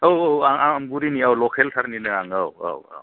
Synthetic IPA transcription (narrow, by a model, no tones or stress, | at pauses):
owowaŋamɡuɾiniawlɔkʰeltʰaɾninɯaŋawa̰wa̰w